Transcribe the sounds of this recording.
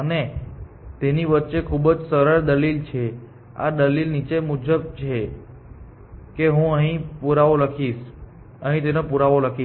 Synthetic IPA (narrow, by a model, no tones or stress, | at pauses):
əne | t̪eniʋətːʃekʰubd͡ʒsəɾəɭd̪əlilt͡ʃʰe | a̰d̪əlilnit͡ʃemud͡ʒəb̚t͡ʃʰe | keɦũəɦĩpuɾaʋoləkʰiʃ | əɦĩt̪enepuɾaʋoləkʰi